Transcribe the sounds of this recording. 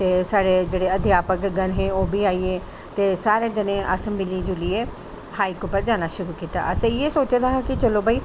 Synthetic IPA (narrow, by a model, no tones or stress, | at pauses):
t̪eːsaːɽeːd͡ʒeːɽeːəd̪jaːpəkɡənɦẽːoːbʱiːaːiːeː | t̪eːsaːɾeːd̪ɪnẽːʔasəmbiliːd͡ʒʊlieː | haːiːkʊpəɾd͡ʒaːnaːʃʊɾuːkiːt̪a̰ːʔəsẽjeːsoːt͡ʃːd̪aːɦakɪt͡ʃəlõːbaːiː